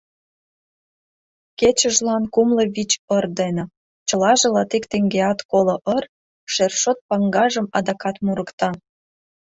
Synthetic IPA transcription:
ket͡ɕəʒlɑnkumləβit͡ɕərd̪ene | t͡ɕəlɑʒĕlɑt̪ikt̪eŋɡeɑt̪kolŏʔər | ʃerʃot̪̚pɑŋɡɑʒə̆mɑd̪ɑkɑt̪muɾəkt̪ɑ

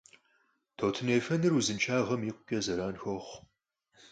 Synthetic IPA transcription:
tʰoːtʰɨneːfɐnɨruzɨnt͡ʃʰʼaːʁɐmiːqʷʊkʲʼɐzɐɾaːnxɐχʷ

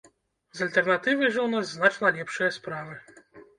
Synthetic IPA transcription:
zɐlʲt̪ɛrnat̪ɨvɐjʐɐwnazznat͡ʂnɐlʲɛpʂɨjɐspɾavɨ

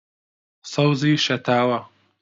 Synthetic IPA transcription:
sawziʃɐt̪aːwa

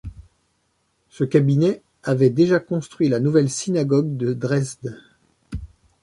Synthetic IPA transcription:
səkabinɛ | avɛd̪eʒakɔ̃st̪χɥilanuvɛlsinaɡɔɡ̚d̪əd̪ʁɛzd̪

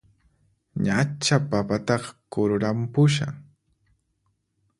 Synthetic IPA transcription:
ɲat͡ʃapapat̪ɑχkʊɾʊɾampʊʃa̰

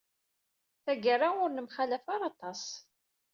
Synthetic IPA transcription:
θæɡərːaʊɾnəmχalæfaɾˤɑt̪ˤɑs

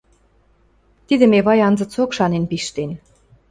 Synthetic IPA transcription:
t̪id̪ə̆meβɑjɑnzə̆t͡sokʃɑnenpiʃt̪en

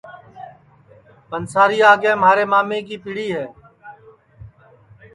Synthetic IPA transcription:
pənsaːɾiːaːɡẽːmaːɾeːmaːmẽːkiːpɪɽiːɦɛː

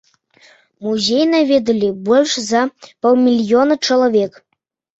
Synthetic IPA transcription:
muzʲejnavʲed̪əlʲibolʲʃzɑpolˠmʲilʲjonət͡ʃəlˠovʲek

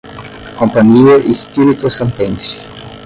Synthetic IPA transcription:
kõmpaɲieʔispiɾit̪osẽnt̪ẽnsi̥

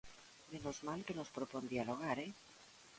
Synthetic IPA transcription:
menozmalkeno̞spɾopond̪ialoɣ̞aɾe

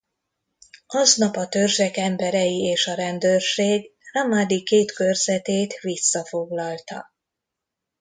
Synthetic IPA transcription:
ɒznɒpɒt̪ørʒɛkɛmbɛɾɛjieːʃɒɾɛnd̪ørʃeːɡramad̪ikeːt̪kø̞rzɛt̪eːt̪ʋisːɒfo̞ɡlɒlt̪ɒ̰

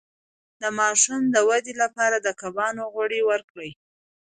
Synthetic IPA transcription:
d̪əmɑʃumd̪əwad̪elapɑɾad̪əkabɑnoɣoɽewəɾkɽəj

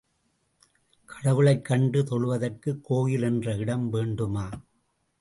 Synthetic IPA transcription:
kʰɐɽɐʋɯɭɐɪkːɐɳɖɯt̪ɔɭɯʋɐðɐrkɯkːoːjɪlɛndrɐɪɽɐmʋeːɳɖɯmaː

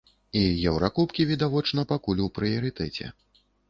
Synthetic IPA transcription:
ijɛwɾakupkʲivʲid̪avɔt͡ʂnɐpakulʲupɾɨjɐɾɨt̪ɛt͡sʲɛ̰

